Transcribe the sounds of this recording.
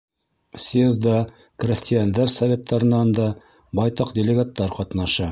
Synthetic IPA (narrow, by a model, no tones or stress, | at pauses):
sʲjezd̪ɑ | krʲɪsʲt̪ʲɪjand̪æɾsɐvʲe̞t̪ːɑɾɤ̆nɑnd̪ɑ | bɑjt̪ɑqd̪ʲɪlʲɪɡat̪ːɑɾqɑt̪nɑʃɑ